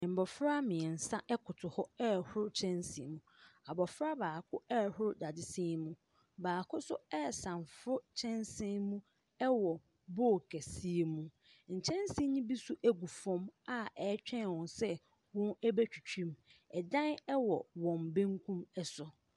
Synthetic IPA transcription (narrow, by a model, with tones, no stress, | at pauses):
m̩˨bɔ˨fɾa˦mɪ̃˨n̩˨sã˦ʔɛ˦kʰʊ˨tʰʊ˨hɔ˦ɛ˦hʊ˦ɾt͡ɕʰɛ̃˦nsɪ̰˨mũ˨a˨bɔ˨fɾa˦baː˨kʰʊ˦ɛ˦˨hʊ˦ɾda˨dɪ˨sɪ̃˦mũ˦ | baː˨kʰʊ˦sʊ˦ɛː˦˨sã˨mfʊ˦t͡ɕʰɛ̃˦nsɪ̃˦mũ˦ | ɛ˦wɔ˨ | bɔ˦˨kʰɛ˨si˦e˦mũ˦ | ɲ̩˨t͡ɕʰɛ̃˦nsi˦ɲĩ˦bi˦sʊ˦ʔæ˦ɡu˨fɔ̃˦ma˦ɛː˨˦t͡ɕᶣɛ̃˦n˨wɔ̃˨nsɛ˦ | wɔ̃˦nɛ˦bæ˦t͡ɕᶣu˨t͡ɕʰᶣũ˦mɛ˨dã˦nɛ˦wɔ˨wɔ̃˨m˨bẽ˦ŋkʰũ˦mɛ˦sʊ˨